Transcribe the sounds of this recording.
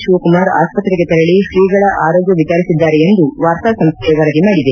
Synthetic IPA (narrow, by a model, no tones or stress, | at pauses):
ʃuʋɐkumaːɾa̰ːspɐt̪ɾɛɡet̪ɐɾɐɭiʃɾiːɡɐɭɐʔaːɾoːɡjɐʋit͡ʃaːɾisid̪ːaːɾeend̪uʋaːɾt̪asɐmst̪ʰejɐʋɐlɐɡemaːɽid̪e